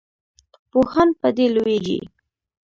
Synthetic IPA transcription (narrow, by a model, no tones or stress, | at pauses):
pohanpəd̪elowed͡ʒḭ